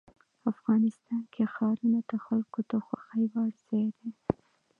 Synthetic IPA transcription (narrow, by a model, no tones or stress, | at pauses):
afɣɑnɪst̪ɑnkʰexɑɾunat̪əxalkot̪axwaxəjwaɾz̥ewed̪e